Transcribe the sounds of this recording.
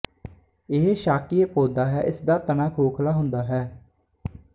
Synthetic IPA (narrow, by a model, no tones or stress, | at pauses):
ɪɦʃaːkieːpoːd̪aːɦɛ̰ːʔɪsd̪aːt̪ənãːkʰoːkʰlaːɦʊ̃nd̪aːɦɛː